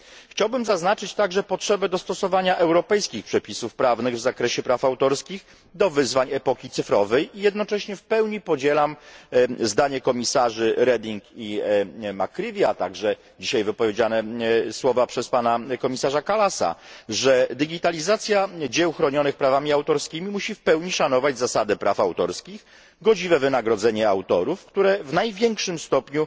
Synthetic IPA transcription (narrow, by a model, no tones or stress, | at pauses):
xt͡ɕawbɘmzaznat͡ʂɘt͡ɕt̪aɡʐɛpɔtʂɛbɛd̪ɔst̪ɔsɔvaɲaʔɛwɾɔpɛjskʲixpʂɛpʲisufpɾavnɘɣvzakɾɛɕɛpɾafawt̪ɔɾskʲix | d̪ɔvɘzvaɲɛpɔkʲit̪sɘfɾɔvɛjijɛd̪̚nɔt͡ʂɛɕɲɛfpɛwɲipɔd͡ʑɛlam | zd̪aɲɛkɔmʲisaʐɘɾɛd̪iŋkimakɾʲivʲjat̪aɡʐɛ | d͡ʑiɕajvɘpɔvʲjed͡ʑanɛswɔvapʂɛspanakɔmʲisaʐakalasa̰ʐɛd̪ɘɡʲit̪alʲizat̪sʲjad͡ʑɛwxɾɔɲɔnɘxpɾavamʲiawt̪ɔɾskʲimʲimuɕifpɛwɲiʂanɔvad͡ʑzasad̪ɛpɾʔafawt̪ɔɾskʲix | ɡɔd͡ʑivɛvɘnaɡɾɔd̪zɛɲɛawt̪ɔɾufkt̪uɾɛvnajvʲjɛŋkʂɘmst̪ɔpɲu